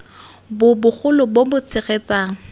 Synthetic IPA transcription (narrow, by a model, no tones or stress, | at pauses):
bʊbʊχʰʊlʊbobʊt͡sʰɪχet͡saːŋ̩